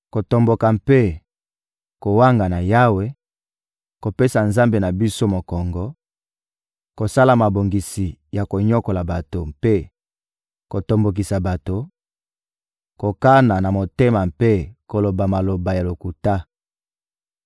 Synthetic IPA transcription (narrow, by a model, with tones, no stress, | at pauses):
ko˨to˨mbo˨ka˨mpe˦ | ko˨wa˦ŋɡa˨na˨ja˦we˦ | ko˨pe˦sa˨nza˦mbe˨na˨bi˦so˦mo˨kɔ˨ŋɡɔ˨ | ko˨sa˦la˨ma˨bo˨ŋɡi˨si˨ja˨ko˨ɲɔ˦ko˨la˨ba˨to˨mpe˦ | ko˨to˨mbo˨k̬i˨sa˨ba˨to˨ | ko˨ka˦na˨na˨mo˨te˦ma˨mpe˦ko˨lo˨ba˨ma˨lo˨ba˨ja˨lo˨ku˨ta˦